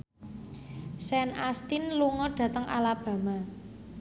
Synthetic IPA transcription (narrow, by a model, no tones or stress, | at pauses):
sɛnast̪inluŋɔɖ̥ä̤t̪əŋʔa̰lab̥ä̤ma